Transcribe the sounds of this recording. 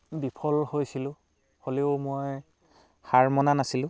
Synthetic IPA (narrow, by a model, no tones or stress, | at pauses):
bipʰɔlhojsilʊ̃ | holeʊmoj | xaɹmɔnanasilʊ̃